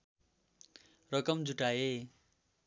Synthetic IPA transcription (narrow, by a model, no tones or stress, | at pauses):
rʌkʌmd͡zuʈaje